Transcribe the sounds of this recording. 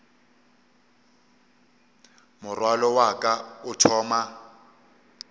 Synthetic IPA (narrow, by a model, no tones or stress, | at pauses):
mʊrwalɔwakʼaʊtʰɔːma